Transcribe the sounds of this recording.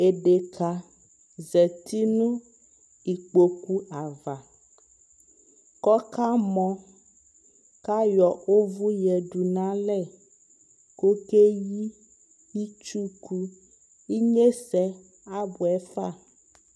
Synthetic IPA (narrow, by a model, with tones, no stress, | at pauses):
e˨ɖe˨kʰa˨ | zɛ˨t̪i˦nũ˦ | i˨k͡po˨ku˦a˨va˨ | kɔ˦ka˦mɔ̃˨ | ka˦jɔ˨o˦vu˦jɛ˨ɖu˨nã˦lɛ˦˨ | ko˦ke˦ji˦ | i˦t͡ʃu˦ku˦ | i˦ɲe˦sɛ˦ | a˦bu˨ɛ˦fa˦˨